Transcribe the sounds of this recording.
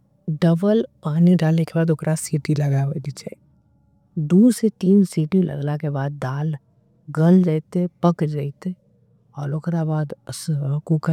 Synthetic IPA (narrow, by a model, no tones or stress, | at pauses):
ɖəbəlpaːniɖaːleːkebaːd̪okɾʔasiːʈilɐɡaʋəd̪it͡ʃʰɛ̰ | d̪uːset̪iːnsiːʈilʔɐ̰ɡlakebaːd̪̚ːaːl | ɡəld͡ʒaːit̪epəkd͡ʒaːit̪e | ɔːɾoːkɾabaːd̪skukə